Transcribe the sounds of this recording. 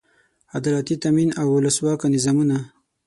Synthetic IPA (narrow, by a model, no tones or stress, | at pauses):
ad̪lɑt̪it̪aminawʊləswɑkanɪzɑmuna